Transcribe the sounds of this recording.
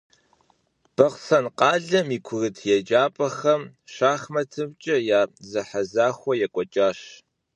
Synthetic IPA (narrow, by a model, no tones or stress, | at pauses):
b̥ɐʁsɐnqɑːɮɐmiːkʷʰʊrɨtʰjɛd͡ʒʼaːpʼɐxɐmʂaːχmɐtʰɨmt͡ʃʼɐjaːzɐħazaːxʷɔjɛkʷʼɔt͡ʃʼaːɕ